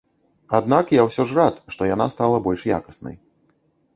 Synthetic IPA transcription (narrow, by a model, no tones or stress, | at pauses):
ad̪nakjawsʲɔʐrat̪ʂt̪ɔjana̰st̪alˠɐbɔlʲʂja̰kɐ̥snɐ̰j